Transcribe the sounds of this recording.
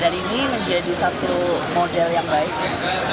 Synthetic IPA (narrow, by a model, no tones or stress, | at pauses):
daniniməɲd͡ʒadisat̪umodɛljaŋbaɪk̚